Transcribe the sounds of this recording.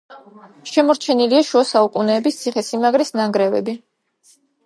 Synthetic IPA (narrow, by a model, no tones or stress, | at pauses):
ʃɛmɔɾt͡ʃʰɛniliaʃuasaukʼunɛːbist̪sʰiχɛsimaɡɾisnaŋɡɾɛvɛ̰bi